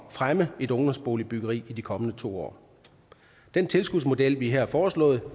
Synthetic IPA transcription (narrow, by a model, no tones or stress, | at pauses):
fʁaməe̝dɔ̽ŋd̥ɒ̽msb̥o̝̰ːlib̥yɡ̥ɐʁḭːid̥ikʰɒ̽mənət͡sʰo̝̰ːɒ̰ː | d̥en̰t͡sʰe̝lsɡ̥uðd̥ˠsmo̝d̥el̰ʋiɦæɐ̰æfɒːslɔ̰̽ːð̞̩ˠ